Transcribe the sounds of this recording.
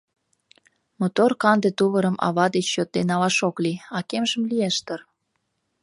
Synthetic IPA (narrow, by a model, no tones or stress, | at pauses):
mot̪orkɑnd̪et̪uβəɾəmʔɑ̰βɑd̪et͡ɕːot̪ːenɑlɑʃokliɑkemʒəmlijeʃt̪ər